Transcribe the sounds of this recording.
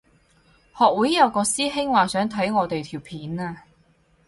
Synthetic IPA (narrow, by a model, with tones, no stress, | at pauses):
hɔː˨k̚wu˨˥jːɐ˨˧wkɔː˧siː˥ɦɪ˥ŋwaː˨˧sœː˨˥ŋt̪ʰɐ˨˥jŋɔː˨˧t̪e˨jt̪ʰiː˨˩wpʰiː˨˥naː˧